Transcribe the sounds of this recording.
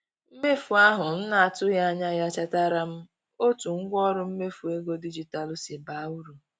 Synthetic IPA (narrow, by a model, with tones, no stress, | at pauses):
m̩˦me˦fu˨a˦ɦʊ˨m̩˦na˨a˨tʊ˦ja˦a˦ɲa˦ja˦t͡ʃa˦ta˦ɾa˦m̩˦ | o˦tu˨ŋ̩˦ɡʷɔ˦ɾʊ˦m̩˦me˦fu˨e˦ɡo˦di˦d͡ʒi˨ta˨lʊ˦si˨ba˨u˦ɾu˨